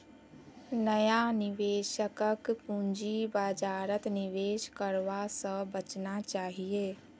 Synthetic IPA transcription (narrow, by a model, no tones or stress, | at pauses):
nəjanɪʋeːʃəkəkpũnd͡ʒibad͡ʒaːɾət̪niʋeːʃkəɾʋasə̃bət͡ʃnat͡ʃaːɦijeː